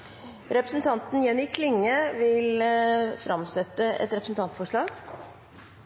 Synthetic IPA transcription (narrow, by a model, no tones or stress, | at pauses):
ɾɛpɾəsn̩t̪ʰɑnt̪n̩jɛnːɪkʰlɪŋːəʋɪlfɾɑmsɛt̪ːəɛ̰t̪ɾɛpɾəsn̩t̪ɑnt̪fɔʂɭɑːɡ